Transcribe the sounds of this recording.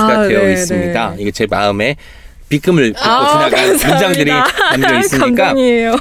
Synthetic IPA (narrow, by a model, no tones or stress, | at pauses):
ɡade̞jois͈ɯmɲidaiɡet͡ɕe̞maɯme̞ | pik͈ɯmɯɭoinaɡaind͡ʑaŋdɯɾiamdʌiss͈ɯmik͈aɲiejo